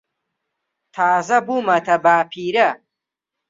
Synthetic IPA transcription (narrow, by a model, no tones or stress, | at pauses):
t̪ʰaːzɐbumɐt̪ʰɐbaːpʰiːɾɐ